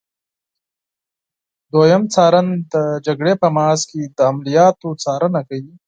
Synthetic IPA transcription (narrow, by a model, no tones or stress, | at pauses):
d̪ojɐmt͡sɑːɾand̪əd͡ʒaɡɽepəmɑːsked̪əːmlijɑːt̪ot͡sɑːɾənakaji